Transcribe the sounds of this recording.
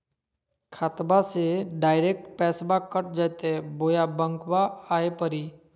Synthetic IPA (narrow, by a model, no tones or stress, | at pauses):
kʰaːt̪baseɖaːɪɾeːk̚ʈpɛːsbakəʈ̚d͡ʒajt̪eboːjabə̃ŋkʋaaːepəɾi